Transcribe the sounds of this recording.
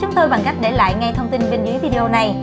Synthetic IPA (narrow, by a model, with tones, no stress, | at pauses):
t͡ɕʊ˨˦ŋ͡mt̪o˧jɓa˨˩ŋka˦˥k̚ɗe˧˩la̰ː˧˨jŋa˧jt̪ʰə˧wŋ͡mt̪i˧nɓe˧nzɨ˨˦əjvi˧ɗe˧ʔo˧na˨˩j